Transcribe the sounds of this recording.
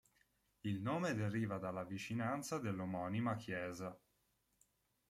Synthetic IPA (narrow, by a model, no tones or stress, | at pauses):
ilnoːmed̪eɾiːvad̪alːavit͡ʃinant̪sad̪elːomɔːnimakʰjɛːza